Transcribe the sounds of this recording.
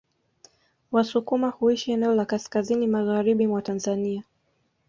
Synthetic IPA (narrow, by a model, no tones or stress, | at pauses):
wasukumahuiʃiɛnɛɔlakaskazinimaɣaɾiɓimwatanzania